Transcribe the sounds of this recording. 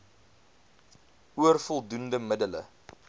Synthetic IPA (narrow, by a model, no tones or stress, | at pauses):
uərfɔlˠdundəmədələ̰